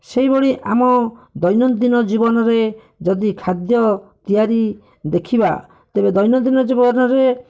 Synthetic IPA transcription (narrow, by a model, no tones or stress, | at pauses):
seibɔɽ̃iʔamɔd̪ɔjnɔd̪inɔd͡ʒibɔnɔɾe | d͡ʒɔd̪ikʰad̪jɔt̪ijaɾi | d̪ekʰiba̰ | t̪ebed̪ɔjnɔd̪inɔd͡ʒibɔnɔɾe